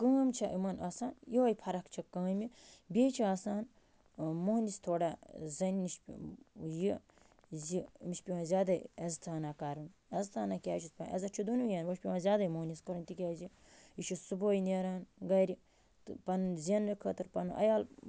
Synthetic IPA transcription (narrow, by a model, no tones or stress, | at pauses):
kə̃ːmt͡ʃʰɐʔimɐnɐsaːnjiɐjpʰɐɾɐkt͡ʃʰɐkɐ̃ːmibʲeːt͡ʃʰiaːsaːn | muɦnʲist̪ʰoːɽazɐnʲniʃpʲḭji | zimiʃpʲiwãzʲaːd̪ɐɐzt̪ʰaːnakaɾunɐzt̪ʰaːnakʲaːt͡ʃʰispaɐ̰zɐt͡ʃʰid̪unujaːnʋɐʃʲpʲiʋãːzʲaːd̪ɐjmuɦnʲiskɐɾunt̪ikʲaːzi | iʃʰusuboːjneɾaːnɡɐɾʲi | t̪pɐnzʲenːɨkʰət̪ɨɾpɐnʔɐ̰jaːl